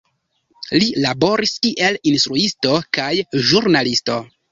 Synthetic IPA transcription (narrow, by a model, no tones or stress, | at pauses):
lilabo̞ɾiskiʔe̞linstɾuisto̞kajʒuɾnalisto̞